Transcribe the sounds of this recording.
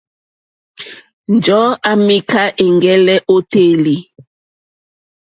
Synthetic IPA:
n˨d͡ʒɔ˨˦a˦mi˦ka˦ʔe˨ŋɡɛ˦lɛ˦ʔo˦te˦li˨

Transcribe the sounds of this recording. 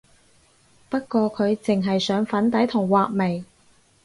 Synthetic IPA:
pɐ˥t̚kʷɔː˧kʰɵ˨˧ɥt͡sɪ˨ŋɦɐ˨jsœː˨˥ŋfɐ˨˥nt̪ɐ˨˥jt̪ʰʊ˨˩ŋwaː˨k̚me˨˩j

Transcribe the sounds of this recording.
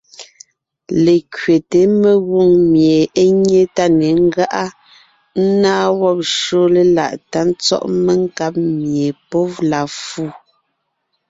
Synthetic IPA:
le˨kɥe˨te˨˦me˨ɣo˦˨ŋmje˨e˦ɲe˦ta˦˨ne˨˦ŋ̩˦ɡa˦ʔa˦ | n̩˦naː˦wɔ˦˨p̚ʃo˦le˦la̰˨ʔta˦n˦t͡sɔ̰˦ʔme˦ŋ˦ka˦p̚mje˨pɔ˦vla˨fu˦˨

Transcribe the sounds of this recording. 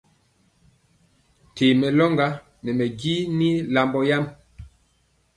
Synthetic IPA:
tʰe˨mɛ˨lɔ˦ŋɡa˦ | nɛ˨mɛ˨ɡi˦ni˦la˨mbɔ˦ja˦m

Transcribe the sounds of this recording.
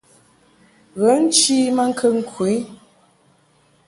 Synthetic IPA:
ɣə˨˦n̩˦t͡ʃi˦mə˦ŋ̩˦kʰə˦ŋ̩˦kʰwi˨˦

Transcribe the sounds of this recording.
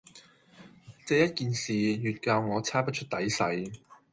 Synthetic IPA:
t͡sɛ˧jɐ˥t̚kiː˨nsiː˨˩jyː˨t̚kaː˧wŋɔː˨˧t͡sʰaː˥pɐ˥t̚t͡ʃʰɵ˥t̚t̪ɐ˨˥jsɐ˨˥j

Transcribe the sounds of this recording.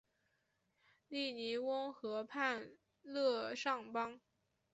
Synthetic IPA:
li˥˩ni˧˥wə˥ŋxɤ˧˥pʰa˥˧n | lɤ˥˧ʂɑ˥˩ŋpɑ˥ŋ

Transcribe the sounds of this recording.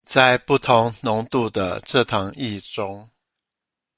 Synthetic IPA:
t͡sa˥˧ɪpu˥˩t̪ʰʊ˨˧˦ŋnʊ˧˥ŋt̪u˥˩d̪ə̰˨ʈ͡ʂɤ˥˧t̪ʰɑ˧˥ŋi˥˩ʈ͡ʂʊ˦˥ŋ

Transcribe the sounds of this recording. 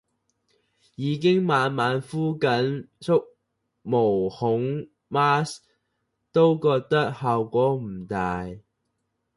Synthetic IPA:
jiː˨˧kɪ˥ŋmaː˨˧nmaː˨˥nfuː˥kɐ˨˥n | sʊ˥k̚ | mo˨˩whʊ˨˥ŋ | maː˥s | t̪o˥wkɔː˧k̚t̪ɐ˥k̚hɐ˨wkʷɔː˨˥m̩˨˩t̪aː˨j

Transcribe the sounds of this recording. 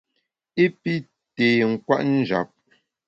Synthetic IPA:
e˦pi˦ | teː˨ŋ̩˨kwa̰˦ʔn̩˦d͡ʒa̰˨p̚

